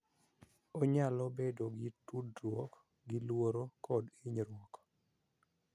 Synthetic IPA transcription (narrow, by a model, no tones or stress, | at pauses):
oɲalobedoɡɪtudɾwɔk | ɡɪlwoɾokɔdiɲɾwɔk